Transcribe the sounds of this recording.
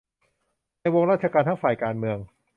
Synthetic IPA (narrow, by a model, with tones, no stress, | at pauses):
naː˧jwo˧ŋɾaː˥˩t̪̚t͡ɕʰa˧kaː˧nt̪ʰa˥˩ŋfaː˨˩jkaː˧nmɯ˧əŋ